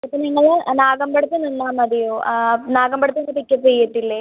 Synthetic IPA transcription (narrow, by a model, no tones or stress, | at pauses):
ɐpːɐniŋːɐɭnaːɡɐmbɐɽɐt̪ːɨnɐnːaːmɐðijoːnaːɡɐmbɐɽɐt̪ɨnːɡɐpikʲːɐt̪ːejːiʈːilːe